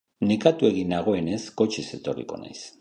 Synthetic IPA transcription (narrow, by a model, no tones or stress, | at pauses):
nekat̪ue̞ɣinaɣ̞o̞e̞ne̞sko̞t͡ʃise̞t̪o̞rḭko̞̰na̰js